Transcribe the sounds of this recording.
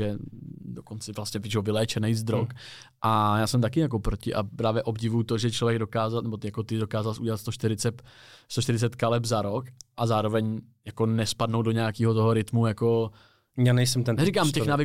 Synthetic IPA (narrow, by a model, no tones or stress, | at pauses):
ɛdokont͡sɛvlastɲɛvt͡ʃovɪlɛːt͡ʃɛnɛjzd̪ɾok | ʔajaːsɛmt̪̬akɪjak̬o̞pɾocɪʔapɾaːvjɛʔo̞bɟɪvujut̪oʒɛt͡ʃlovjɛɡdo̞kaːzalnɛbot̪ɪjakot̪ɪdo̞kaːzalsʔuɟɛlat̪st̪oʃt̪ɪɾɪt͡sɛt̪st̪oʃt̪ɪɾɪt͡sɛt̪kalɛbzaɾokʔazaːɾo̞vɛɲjako̞nɛspadnowdoɲɛakiːɦot̪oɦoɾɪt̪mujako̞ | jaːnɛjsɛmt̪ɛnnɛɾɪkaːmtɛxnaːvɪ